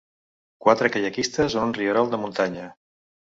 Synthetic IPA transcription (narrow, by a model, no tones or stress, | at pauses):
kwat̪ɾəkəʎəkist̪əzonunrioɾɔlˠd̪əmunt̪aɲə